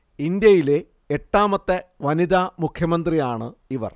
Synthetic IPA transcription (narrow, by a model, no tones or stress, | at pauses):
ind̪jɐjile̞ | eʈːaːmɐt̪ːeʋɐnid̪aːmukʰjɐmɐnd̪rijaːɳɨiʋɐ̰r